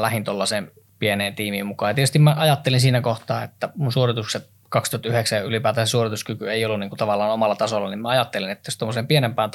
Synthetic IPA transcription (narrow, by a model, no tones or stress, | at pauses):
læhint̪olːɑseːm | pieneːnt̪iːmiːmmukɑːjɑt̪iet̪yst̪imæʔɑjɑt̪ːelinsiːnækoht̪ɑːet̪ːæmunsuorit̪ukset̪ | kɑkst̪uhɑt̪yheksæjʔylipæːt̪æsesuorit̪uskykyeˑiolːuniːŋkunt̪ɑʋɑlːˑɑːnomɑlːɑt̪ɑsolːɑnimmæɑjɑt̪ːelinet̪ːæjost̪omːoseːmpienempæːnt̪